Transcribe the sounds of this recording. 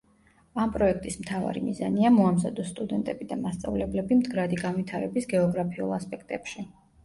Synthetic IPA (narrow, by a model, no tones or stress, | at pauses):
ampʼɾɔɛk̚ʰt̪ʼismt̪ʰava̰ɾḭmiza̰niamɔamza̰d̪ɔst̪ʼud̪ɛnt̪ʼɛbid̪amast̪sʼa̰vlɛblɛbimd̪ɡɾad̪iɡanwit̪ʰaɾɛbisɡɛɔɡɾapʰiṵlˠaspʼɛk̚ʰt̪ʼɛpʃi